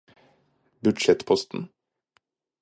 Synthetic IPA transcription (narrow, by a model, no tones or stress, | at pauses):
bʉd̪ʃɛt̪pʰɔst̪n̩